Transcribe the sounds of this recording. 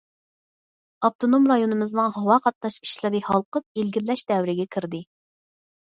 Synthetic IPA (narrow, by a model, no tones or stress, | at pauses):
ɑp̚t̪ʰonomɾɑjonɨmɨznɨŋhɑwɑqʰɑt̪̚nɑʃkʲʰi̥ʃlɪɾɪhɑlˠqəp̚elɡʲilːɛʃd̪ɛwɾɪɡʲɛkʲʰiɾd̪ɨ